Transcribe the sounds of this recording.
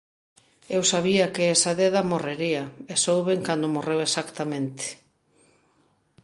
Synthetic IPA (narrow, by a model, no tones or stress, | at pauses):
ewsaβ̞iɐkɪesaðeðɐmoreɾiɐesowβeŋkand̪ʊmorewesakt̪amẽnt̪e̥